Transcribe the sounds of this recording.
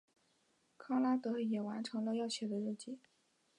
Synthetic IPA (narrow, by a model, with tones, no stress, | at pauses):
kʰɑ˥la˥t̪ɤ˧˥jɛ˨˩wa˧˥nʈ͡ʂʰɤ˧˥ŋlə˧jɑ˥˩ʊɕjɛ˨˩d̪ə˦ɻ̩˥˩t͡ɕi˥˩˦